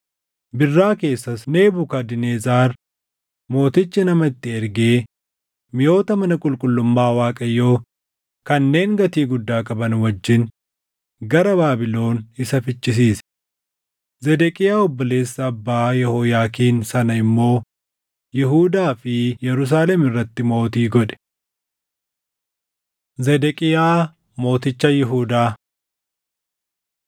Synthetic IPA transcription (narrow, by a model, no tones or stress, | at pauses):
bɪrːaːke̞ːsːɐsne̞ːbʊkɐd̪ɪneːzaːɾ | mo̞ːt̪ɪt͡ʃːɪnɐmɐɪt̪ːɪɛɾɡeː | mɪjo̞ːt̪ɐmɐnɐkʼʊlkʼʊlːʊmːaːwaːkʼɐjːo̞ː | kɐnːe̞ːŋɡɐt̪iːɡʊd̪ːaːkʼɐbɐnwɐd͡ʒːɪn | ɡɐɾɐbaːbɪlo̞ːnɪsɐfɪt͡ʃʼːɪs̬iːs | zɛd̪ɛkʼɪjaːɔbːɔle̞ːsːɐːbːaːjɛhɔjaːkiːnsɐnɐɪmːo̞ː | jɪɦuːd̪aːfɪjɛɾʊs̬aːlɛmɪrːɐt̪ːɪmo̞ːt̪iːɡɔᶑɛ̥ | zɛd̪ɛkʼɪjaː | mo̞ːt̪ɪt͡ʃːɐjɪɦuːd̪aː